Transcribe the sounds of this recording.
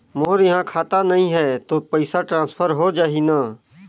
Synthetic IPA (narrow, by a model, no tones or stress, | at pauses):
moːɾjɐɦãkʰaːt̪anɐɦĩɦɛt̪oːpəɪsaʈɾãːspʰəɾɦod͡ʒaːɦinaː